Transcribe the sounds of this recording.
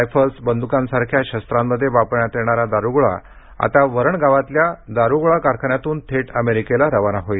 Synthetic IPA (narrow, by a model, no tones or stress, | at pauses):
jfʰəɾsbənd̪ukãnsaɾkʰjaɕəst̪ɾamːəd̪ʱːjeʋapəɾɳjat̪jeɳ̃aɾad̪aɾuɡɭa̰ | a̰t̪aʋəɾəɳɡaʋat̪ljad̪aɾuɡɭakaɾkʰəɳjat̪uːnt̪ʰeʈəmeɾikelaɾəʋanaɦoi